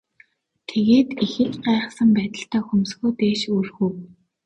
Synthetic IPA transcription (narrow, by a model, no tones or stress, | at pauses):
t̪ʰeɣeːt̪ixɘ̆ɮɢæːʁə̆χsə̆mpæːt̪ə̆ɬt̪æːxumsɡuːt̪eːʃuːrxuː